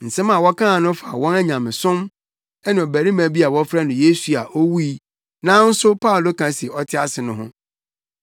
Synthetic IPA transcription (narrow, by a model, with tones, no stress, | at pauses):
n̩˨sɛ̃˦mã˨wɔ˦kʰã˦˨nʊ̃˦fa˨wɔ̃˦nɛ˦ɲã˨mɪ̃˨sʊ̃˦m | ɛ˦nã˨o˨bæ˨ɾĩ˦mæ̃˨bi˦a˨wɔ̃˦fɾa˦nʊ̃˨je˦su˨a˨ʔo˦wu˦i˦ | nã˦n̩˦sʊ˦pʰa˦˨lo˦kʰã˨˦si˨e˨ɔ˦tʰɪ˦a˦sɪ˨nʊ̃˦ɦʊ̰̃˦